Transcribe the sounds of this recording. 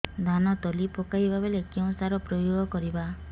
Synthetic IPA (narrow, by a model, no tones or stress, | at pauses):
d̪ʱanɔt̪ɔlipokajbʱabelekew̃saɾɔpɾɔjoɡʱɔkɔɾiba